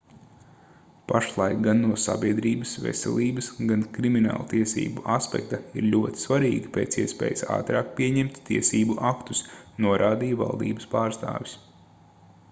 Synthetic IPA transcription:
paʃlˠɑjkɡanːuɔsa̰bʲiɛd̪ɾiːbəsvɛ̰sɛ̰lˠiːbɐsɡankɾimina̰ːlˠt̪iɛsḭːbuʔaspɛ̰k̚t̪aiɾʎʲuɔt̪i̥svaɾiːɡipeːt̪siɛspḛːjasa̰ːt̪ɾaːk̚piɛɲɛmt̪ːiɛsiːbuʔakt̪u̥snuɔɾʔaːd̪iːva̰lˠd̪ḭːbəspaːɾst̪a̰ːʋʲis

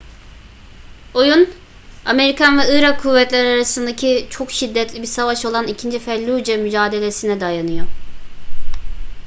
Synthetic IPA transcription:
o̞jun | ame̞ɾikʰanvɛɯɾakʰːuvːɛt̪lʲæɾaɾasɯnd̪acʰit͡ʃʰo̞kʃid̪ːɛt̪lʲibiɾsavaʃo̞lˠanicʰind͡ʒifɛlʲːud͡ʒɛmyd͡ʒaːd̪e̞lʲe̞sinɛd̪ajanɯjo

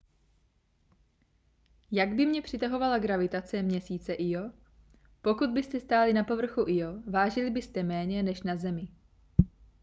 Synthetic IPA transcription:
jaɡbɪmɲɛpr̥ɪt̪aɦo̞valaɡɾavɪt̪at͡sɛmɲɛsiːt͡sɛʔɪjo̞ | po̞kud̪̚bɪst̪ɛst̪aːlɪnapo̞vr̩xuʔɪjo̞vaːʒɪlɪbɪst̪ɛmɛːɲɛnɛʃnazɛmɪ

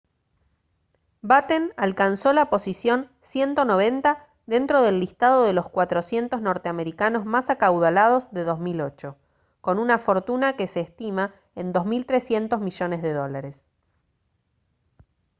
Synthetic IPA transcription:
bat̪enalkanso̞lapo̞sisjo̞n | sje̞nt̪o̞no̞β̞e̞nt̪a | ðe̞nt̪ɾo̞ðe̞lːist̪að̞o̞ð̞e̞lo̞skwat̪ɾo̞sje̞nt̪ozno̞ɾt̪eame̞ɾikano̞zmasakawðalað̞o̞zðe̞ðozmilo̞t͡ʃo̞ | ko̞nunafo̞ɾt̪unake̞se̞ːst̪ima | end̪o̞zmilt̪ɾe̞sje̞nt̪o̞zmiʒo̞nezðe̞ðo̞laɾes

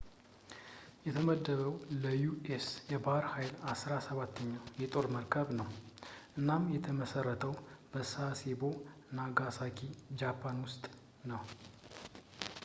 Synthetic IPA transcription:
jɛt̪ʰəməd̪ːəβəwləjuesjɛbahɾhajlasɾasəβat̪ʰːəɲːawjɛt̪ʼo̞ɾməɾkʰəβnəwʔɨnːamjɛt̪ʰəməsərːət̪ʰəwb̥əsasebo̞ | naɡasakʰid͡ʒapʰːanwʊst̪ʼ | nəw

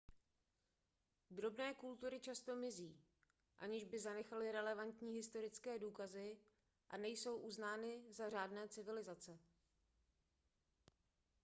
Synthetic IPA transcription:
d̪ɾo̞bnɛːkult̪uɾɪt͡ʃast̪o̞mɪziː | ʔa̰ɲɪʒbɪzanɛxalɪɾɛlɛvant̪ɲiːɦɪst̪o̞ɾɪt͡skɛːduːkazɪ | ʔa̰nɛjso̞wʔuznaːnɪzar̝aːdnɛːt͡sɪvɪlɪzat͡sɛ

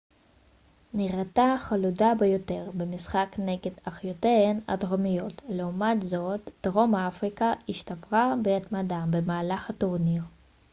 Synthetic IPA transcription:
niʁet̪aχaludabejo̞t̪e̞ʁbemisχakneɡed̪aχjoteena̰t̪ʁomijo̞tle̞umat̪zo̞t̪d̥ʁo̞maafʁikaiʃt̪apʁabeat̪mad̪abemaːlaχat̪oʁniʁ

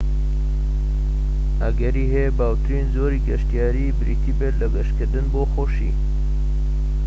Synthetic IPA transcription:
ɐɡɐɾiːɦebaːwt̪ɾiːnzoːɾiːɡɐʃt̪ijaːɾiːbɾḭt̪ʰiːbed̪lɐɡɐʃkɨɾd̪ɨnboːxoʃḭː

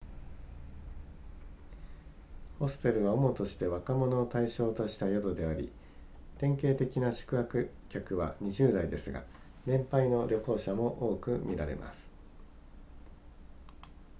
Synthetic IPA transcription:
ho̞sɨ̥t̪e̞ɾɯ̟βaomo̞t̪o̞ɕi̥t̪e̞βakamo̞no̞ːt̪aiɕo̞ːt̪o̞ɕi̥t̪ajod̪o̞d̪e̞aɾʲḭ | t̪ẽ̞ŋke̞ːt̪e̞kʲinaɕɨ̥kɯ̟akɯ̟ | kʲakɯ̟βa̰ɲ̟iʑɨːd̪aid̪e̞sɨɡa̰ | nẽ̞mpaino̞ɾʲo̞ko̞ːɕamo̞ʔo̞ːkɯ̟mʲiɾaɾe̞̰mʔa̰sɨ̥

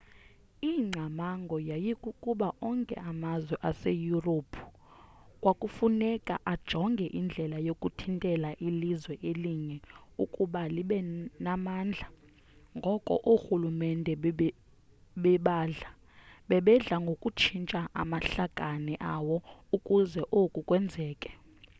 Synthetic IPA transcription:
iŋ͡ǀʱamaŋɡʱɔjajikʼukʼuɓaʔɔŋkʼɛ̰ʔamazwɛʔasejuropʰu̥ | kʼwakʼufunɛkʼa̰ʔad̥ʒ̥ʱɔŋɡʱɛʔind͡ɮʱɛlajokʼutʰintʼɛlaʔilizwɛʔeliŋɛukʼuɓaliɓɛnamaːnd͡ɮʱa | ŋɡʱɔkʼɔ̰ʔuxulumɛndʱɛ | ɓɛɓaːɮa | ɓɛɓɛɮaŋɡʱokʼut͡ʃʰint͡ʃʼaʔa̰maɬaɡ̥ʼʱanɛʔaːwɔukʼuzɛʔokʼukʼwɛnd͡zʱɛːkʼɛ̥

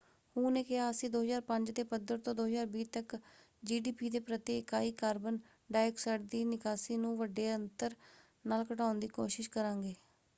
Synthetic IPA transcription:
hũːnẽːkɪɦaːəsĩːd̪oːɦəzaːɾpəɲd͡ʒd̪eːpəd̪əɾt̪õːd̪oːɦəzaːɾbiːt̪ək | d͡ʒiːɖiːpiːd̪eːpɾət̪iːɪkaːiːkaːɾbən | ɖaːɛksəʈd̪iːnɪkaːsiːnũːʋəɖːeːənt̪əɾ | naːlkəʈãːʊnd̪iːkoːʃɪʃkəɾãːŋɡeː

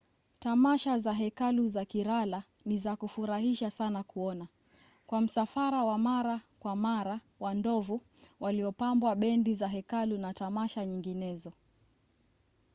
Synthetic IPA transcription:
tamaʃazaɦɛkaluzakiɾala | nizakufuɾahiʃasanakuɔna | kwam̩safaɾawamaɾakwamaɾa | wandɔvu | waliɔpambwaɓɛndizaɦɛkalunatamaʃaɲiŋɡinɛzɔ

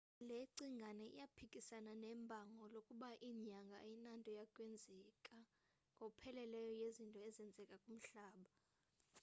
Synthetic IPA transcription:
leǀiŋʱanɛḭjapʰikʼisananɛːmbʱaŋɔlokʼuɓaʔiːɲaŋɡʱa̰inantʼɔjakʼwɛnd͡zʱɛkʼa | ŋɡʱopʰɛlɛlɛjɔjezintʼɔɛzɛnd͡zʱɛkʼakʼum̩ɬaːɓa

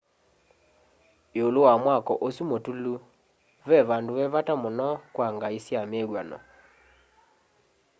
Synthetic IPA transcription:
eolowamwakɔʔosumotulu | βɛβandoβɛβatamonɔkwaŋɡaisjameɣwanɔ̰

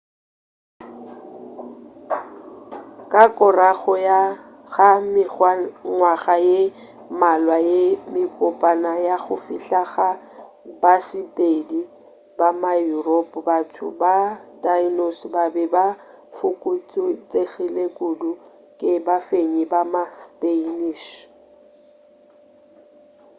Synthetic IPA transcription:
kʼakʼʊraɣɔja | ɣam | ŋwaɣaje | malwajemɪkʼʊpʼanajaɣʊfiɬaɣa | basɪpʼedi | bamajuropʼbatʰʊ̰badainosbabɛba | fʊkʼut͡sʼʊt͡sʼeɣilekʼʊdʊ | kʼɪbafeɲibamaspʼeiniːʃ

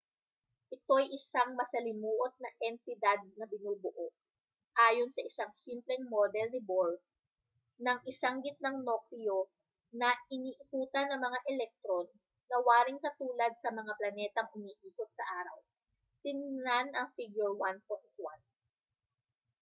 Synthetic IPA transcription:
ʔɪt̪o̞jʔɪsaŋmɐsɐlɪmuːʔot̪̚nɐʔɛnt̪ɪd̪ad̪̚nɐbɪnuːbʊʔoʔ | ʔaːjonsɐʔɪsaŋsimplɛŋmoːd̪ɛlnɪbolf | nɐŋʔɪsɐŋɡɪt̪̚nɐŋnoklio̞ | nɐʔɪniːʔɪkuːt̪ɐnːɐŋmɐŋaʔɛlɛk̚t̪ɾonː | ɐwaːɾɪŋkɐt̪uːlɐd̪̚sɐmɐŋaplɐnɛːt̪ɐŋʔʊmiːʔiːkot̪̚sɐʔaːɾɐw | t̪ɪŋnanɐŋfiɡjʊɹwanpont̪̚wan

